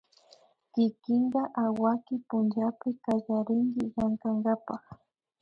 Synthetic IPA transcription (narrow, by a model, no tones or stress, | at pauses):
kɪkɪŋɢaʔawakɪpʊnʒapɪkaʒaɾɪŋɡɪjaŋkaŋɡapaχ